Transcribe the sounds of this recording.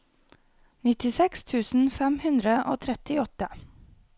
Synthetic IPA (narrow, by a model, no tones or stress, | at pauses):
nɪt̪ɪsɛkst̪ʰʉːsn̩fɛmhʉnd̪ɾəʔo̰ːt̪ʰɾɛt̪ɪɔt̪ə